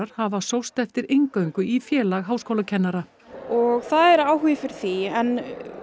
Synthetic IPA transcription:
ɾ̥havasowst̪ɛft̪ɪɾejŋkœɥŋkʏifjɛːlaɣɦaːwskowlacʰɛnːaɾa | ɔɣθaðɛɾaːwɦujɪfɪɾθiɛn

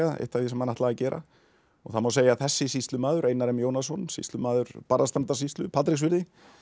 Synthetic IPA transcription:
aḛjht̪avɪsɛmhanaht̪laɣacɛːɾʔa̰ | ɔ̰ɣθaðmawseːjaθɛsːɪsist̪lʏmaːðʏɾeːjnaɾɛmjoːwnasɔnsḭst̪lʏmaːðʏɾ̥paɾðast̪ant̪as̬ist̪lʏpʰat̪ɾɪks̬vɪɾðɪ

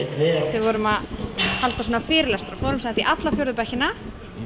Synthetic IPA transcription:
θɪðvɔɾʏmaðhalt̪as̬uːnafɪːɾɪlast̪ɾafɔɾʏmsɛt̪iʔat̪lafjœwɾðʏpɛçɪna

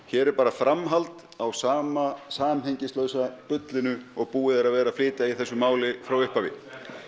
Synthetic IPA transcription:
çɛːɾɛɾpaːɾafɾamɦalt̪ | awsaːmasaːmheɲcɪst̪lœɥsapʏt̪lɪnʏɔɣpuːɪðɛɾaðvɛːɾaflɪːt̪ɪaiθɛsːʏmaːwlɪfɾawʏhpavɪ

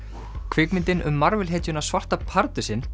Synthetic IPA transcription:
kʰvɪkmɪnt̪ɪnʔʏ̰mːaɾvɪlɦeːc̪ʏnasvar̥t̪apʰaɾt̪ʏsɪn

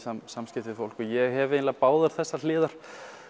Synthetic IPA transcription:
asamːscɪft̪ɪfowl̥kɔjɛɣɦɛvejnlapaːwðaɾ̥θɛsːal̥ɪːðaɾ̥

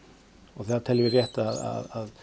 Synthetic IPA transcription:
ɔɣθɛðat̪ʰɪlvɪrjɛht̪aaða̰ðað

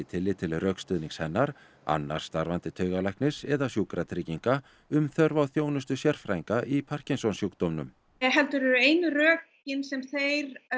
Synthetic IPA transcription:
ɪt̪ʰɪlːɪt̪ʰɪlrœːkst̪ʏðniŋshɛnːaɾ | a̰nːa̰ɾ̥st̪aɾvant̪ɪt̪ʰœːɥɣalajhknɪsɛðasjuːkɾat̪ʰɾiciŋka | ʏmθœɾvawθjoːwnʏs̬t̪ʏsjɛr̥fɾa̰jŋkaʔipʰar̥ciŋsɔnsjukt̪ɔmnʏ̰m | ɦɛlt̪ʏɾɛɾʏeːjnʏrœːc | ɪnsɛmθejɾ

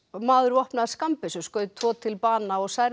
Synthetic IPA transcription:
maːðʏɾvɔhpnaskampɪsɛmskœːɥt̪ʰvɔːt̪ʰɪlpaːnaɔɣsajɾ

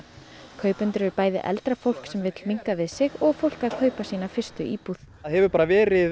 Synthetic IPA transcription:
kʰœːɥpʏnt̪ʏɾvɪɾpaːjðɪ̰ʔɛ̰lt̪ɾafowl̥ksɛmvɪt̪lmiŋkavɪðsɪɣɔɣfowl̥kaðkʰœːɥpasiːnafɪr̥st̪ʏʔiːpuθ | ðhɛvʏpaːɾavɛːɾɪ

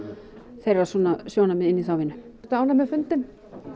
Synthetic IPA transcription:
θejrasɔnasjownamɛɪnːiθaːwvɪnʏt̪aaːwnamɛfʏnt̪ɪm

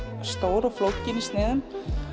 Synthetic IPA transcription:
st̪oːwɾɔɣflowcːɪnist̪nɪːðʏm

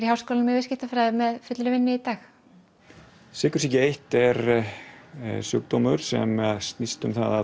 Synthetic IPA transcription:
ɾihawskoːlanmɛvɪscɪht̪afɾajðɪmɛðfʏt̪lɾʏvɪnːɪit̪aːx | sɪːkʏɾ̥sɛcɪejht̪ɛɾ | sœ̰ːk̚t̪oːmʏɾ̥sɛ̰maðst̪nist̪ʏmθa̰ða

